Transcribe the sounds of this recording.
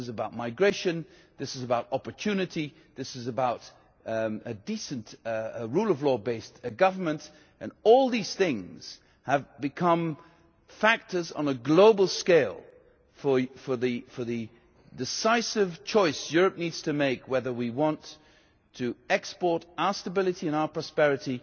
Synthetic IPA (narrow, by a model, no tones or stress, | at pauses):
ɨzəbaʊt̚maɪɡɹeɪʃɨ̃nðɪsɨzəbaʊɾɑpə˞tʰʉnɨɾi | ðɪsɨzɨbaʊɾ | ɨdisɨ̃ntɹulˠʌvlɔbeɪstɨɡ̥ʌvə˞mə̃nt | ʔɨ̃nɔlˠðiz̥θɪ̃ŋz̥ | əvbɨkʰʌ̃m | fæk̚tʰə˞zn̩əɡloʊbl̩ˠskeɪlˠ | fə˞fə˞ðɨfə˞ðɨ | dɨsaɪsɪv̥t͡ʃʰɔɪsjʊɹɨp̚nidz̥tʰɨmeɪkwɛðə˞wiwɑ̃nt | tʰɨɛkspɔɹɾaʊə˞stəbɪlˠɨɾiɨ̃naʊə˞pʰɹ̥ɑspɛɹɨɾi